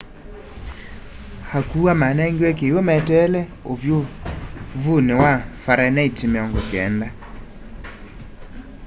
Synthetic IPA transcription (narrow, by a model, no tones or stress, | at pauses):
hakuamanaŋɡiɛk̬ewomɛtɛlɛ | ovjo | vunewafaɾanaitimeɔŋɡɔkɛnda